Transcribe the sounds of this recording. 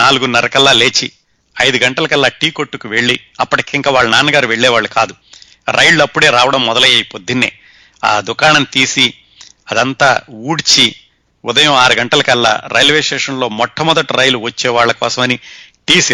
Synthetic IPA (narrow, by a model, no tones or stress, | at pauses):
aːluɡunːɐɾɐkɛlːaːle̞ːt͡ʃːi | ɐjd̪uɡɐɳʈɐlɐkɛlːaːʈiːkoʈːukuʋe̞ɭːiɐpːɐʈikeiŋkaːʋaːɭːɐnaːnɐɡaːɾuʋe̞ɭːɛːʋaːɭːukaːd̪u | ɾʔɐjlːuɐpːuɽeːɾaːʋɐɽɐmːɔd̪ɐlɐjɐjipod̪ːinːḛː | a̰ːd̪ukaːɳɐnt̪iːsi | ɐd̪ɐnt̪aːuːɽit͡ʃi | ʊd̪ɐjɐ̃aːɾuɡɐɳʈɐlɐkɛlːa̰ːɾɐjlʋeːsʈeːʂɐnlo̞ːmɔʈʰːɐmɔd̪ɐʈiɾɐjluʋɐt͡ʃːɛːʋaːɭːɐkɔ̰ːsɐmɐni | ʈiːs